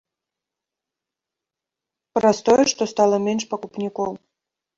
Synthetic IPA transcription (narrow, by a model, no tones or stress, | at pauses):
pɾɐst̪ɔjɛʂt̪ɔst̪ɑlˠəmʲenʲʂpɐkupnʲikɔw